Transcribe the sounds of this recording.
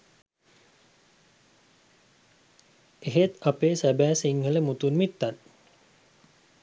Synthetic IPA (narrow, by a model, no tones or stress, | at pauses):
eɦet̪apesæbæːsiŋhələmut̪unmit̪ːat̪̚